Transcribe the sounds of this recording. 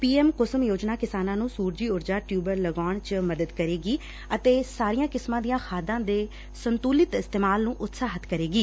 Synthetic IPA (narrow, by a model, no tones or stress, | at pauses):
piːɛːmkʊsəmjoːd͡ʒnaːkɪsaːnãːnũːsuːɾd͡ʒiːʊɾd͡ʒaːʈjuːbəɾləɡaːɳt͡ʃməd̪əd̪kəɾeːɡiː | ət̪eːsaːɾijãːkɪsmãːd̪ijãːxʰaːd̪ãːd̪eː | sənt̪uːlɪt̪ɪst̪eːmaːlnũːʔʊt̪saːɦət̪ʰkəɾeːɡiː